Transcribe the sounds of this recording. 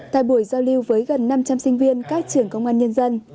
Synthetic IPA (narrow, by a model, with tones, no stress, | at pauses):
t̪a̰ː˧˨jɓu˧˩jzaː˧wli˧wvəː˨˦jɣə˨˩nːa˧mt͡ɕa˧msï˧ŋ̟vi˧ənkaː˦˥k̚t͡ɕɨ˨˩əŋkə˧wŋ͡mʔaː˧nɲə˧nzə˧n